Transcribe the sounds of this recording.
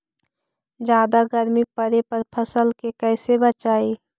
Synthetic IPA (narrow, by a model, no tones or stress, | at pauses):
d͡ʒjaːd̪aɡəɾmipəɾepəɾpʰəsəlkekɛːsebət͡ʃaːiː